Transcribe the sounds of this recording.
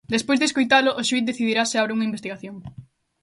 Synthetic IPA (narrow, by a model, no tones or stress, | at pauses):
d̪espojzðeskojt̪alʊʔʊʃuit̪̚d̪eθiðiɾaseaβɾeuŋɐimbest̪iɣaθjoŋ